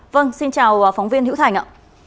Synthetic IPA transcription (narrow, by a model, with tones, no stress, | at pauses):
və˧nsi˧nt͡ɕaː˨˩wə˨˩fa˨˦wŋ͡mvi˧ənhḭ˧˥wt̪ʰa˨˩jŋ̟ʔa̰ː˧˨